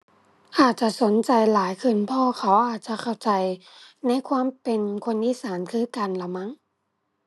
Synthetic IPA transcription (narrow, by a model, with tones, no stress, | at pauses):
ʔaː˨˩t̪̚t͡ɕa˧˨so˨˦nt͡ɕa˨˧jlaː˨˦jkʰɯ˧˩˨npʰɔː˧xʰa˨˦wʔaː˨˩t̪̚t͡ɕa˧˨kʰa˧˩wt͡ɕa˧jna˧˥˨jkʰwaː˧˥˨mpe˧nkʰo˧˥˨nʔiː˧˥˨saː˩˦nkʰɯː˧˥˨ka˧˨nla˧˩ma˧˥ŋ